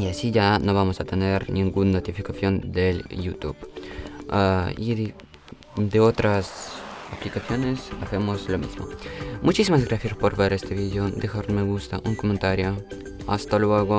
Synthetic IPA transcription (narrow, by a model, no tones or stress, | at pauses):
iasiʝanoβamosat̪eneɾnĩŋɡunːot̪ifikaθjond̪eljut̪ṵb | i | d̪eot̪ɾasaplikaθjonesaθemoslomḭzmo̰mut͡ʃisimazɡɾaθjaspoɾbeɾest̪eβiðeod̪exaɾmeɣust̪aʔuŋkomẽnt̪aɾjo | a̰st̪alweɣo